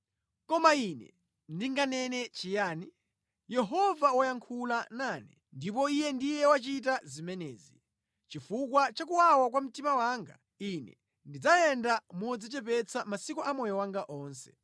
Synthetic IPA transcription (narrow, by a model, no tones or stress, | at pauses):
kɔmainɛ̰ | ndiŋɡanɛnɛt͡ʃijaːni | jɛɦɔvawajaŋkʰulananɛ | ndip̬ɔijɛndijɛwat͡ʃit̬azimɛnɛːzi | t͡ʃifukwat͡ʃak̬uwawak̬wam̩timawaːŋɡa̰ | inɛ̰ | ndid͡zajɛndamɔd͡zit͡ʃɛpɛt͡sʰamasikɔʔamɔjɔwaŋɡaʔɔːnsɛ̥